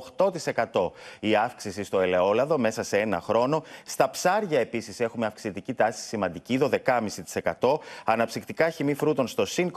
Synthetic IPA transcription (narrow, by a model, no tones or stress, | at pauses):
xt̪o̞t̪ise̞kɐt̪o̞iɐfksisist̪o̞e̞le̞o̞lɐðo̞me̞sɐsee̞nɐ̰xɾo̞no̞st̪ɐpsɐɾʝɐe̞pisise̞xumeɐfksit̪icit̪ɐsi̥simɐnd̪iciðo̞ðe̞kɐmisit̪i̥se̞kɐt̪o̞ɐnɐpsixt̪ikɐçimifɾut̪o̞nst̪o̞siŋk